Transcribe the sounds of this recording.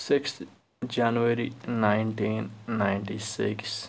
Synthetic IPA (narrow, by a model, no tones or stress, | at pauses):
sɪkst̪ | d͡ʒanuəɾinaɪɳʈiːnːaɪɳʈisɪ̰ks